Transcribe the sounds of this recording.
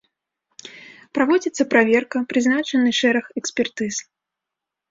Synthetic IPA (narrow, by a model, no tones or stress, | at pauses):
pɾavɔd͡zʲit̪sɐpɾavʲɛrkɐpɾɨznat͡ʂɨnɨʂɛɾɐxɛksʲpʲɛrt̪ɨs